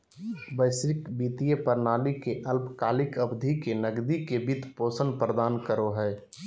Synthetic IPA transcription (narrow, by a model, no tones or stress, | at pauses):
bəɪsɾɪkbiːt̪ijəpəɾnaːlikeʔəlpkaːlɪkəbd̪ʱikenəɡd̪ikebid̪ʱpoːsənpɾəd̪aːnkəɾoɦɛː